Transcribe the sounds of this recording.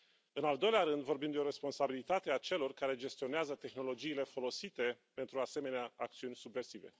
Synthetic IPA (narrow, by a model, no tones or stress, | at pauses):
ɨnald̪o̞jleaɾɨnd̪vo̞rbimd̪eo̞ɾe̞spo̞nsabilit̪at̪e̞at͡ʃe̞lo̞rkaɾe̞d͡ʒe̞st̪io̞neazət̪e̞xno̞lo̞d͡ʒiːle̞fo̞lo̞sit̪e̞pe̞nt̪ɾuase̞me̞neaːkt̪siunʲsubve̞rsive̞̰